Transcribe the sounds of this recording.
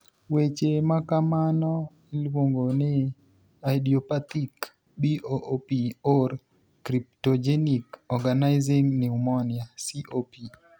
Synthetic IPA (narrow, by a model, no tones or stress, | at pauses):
wet͡ʃemakamanɔ | ilwoŋɡonɪ | ajdiɔpat̪ik | biʔoʔopior | kɾiptod͡ʒenikɔɡanaɪziŋniumɔnjasiʔopi